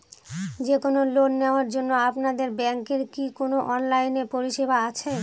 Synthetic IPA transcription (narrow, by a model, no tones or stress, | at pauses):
d͡ʑekonolonːeoaɾd͡ʑonːoapnad̪eɾbɛŋkeɾkikonoʔɔnlajneɾpoɾiʃebʱaat͡ɕʰe